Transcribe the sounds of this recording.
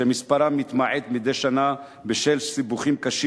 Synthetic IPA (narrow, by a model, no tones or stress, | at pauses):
emispaɾamit̪maʕed̪mid̪eʃana | beʃelsibuχimkaʃi